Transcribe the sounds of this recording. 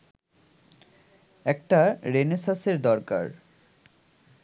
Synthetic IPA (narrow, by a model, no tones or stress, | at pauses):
ɛk̚ʈaɾenesaseɾd̪ɔɾka̰ɾ